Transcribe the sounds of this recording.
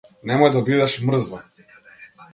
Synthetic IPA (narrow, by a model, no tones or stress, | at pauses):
nɛmɔjd̪abid̪ɛʃmr̩zlˠɔ